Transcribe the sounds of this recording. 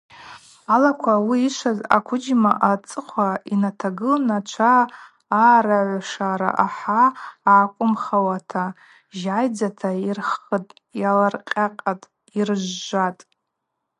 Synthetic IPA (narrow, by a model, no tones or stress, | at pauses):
alakʷʰawiːʃʷaza̰kʷʰʊd͡ʒmaʔat͡sʼɨqʷʰainatʰaɡɨlnat͡ʃʷʰaː | ɾaʕʷʂaɾa̰ʔaħaaːkʷʼʊmχawatʰa | ʒajd͡zatʰairχətʼ | jalarqʲʼaqʼatʼ | irʒːʷatʼ